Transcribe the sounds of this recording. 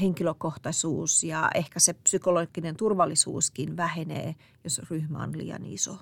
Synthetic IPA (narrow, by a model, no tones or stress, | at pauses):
heŋkiløkoht̪ɑsuːsjɑ̰ehkæsepsykoloɡinent̪urʋɑlːisṵːskinʋæhenḛː | josryhmæ̰o̰nlḭːjɑ̰nḭso̰